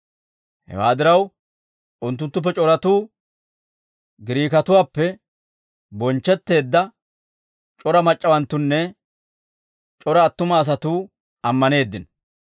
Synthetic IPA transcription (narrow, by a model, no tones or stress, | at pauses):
hɛ̰waːd̪ɪɾɐw | ʊnt̪ːʊnt̪ːʊp̬ːɛt͡ʃʼɔɾɐt̪uː | ɡɪɾiːkɐt̪ʊwaːpːɛ | bɔnt͡ʃːɛt̪ːe̞ːd̪ːɐ | t͡ʃʼɔɾɐmɐt͡ʃʼːɐwɐnt̪ːʊnːɛ | t͡ʃʼɔɾɐːt̪ːʊmɐːs̬ɐt̪uː | ɐmːɐne̞ːd̪ːɪn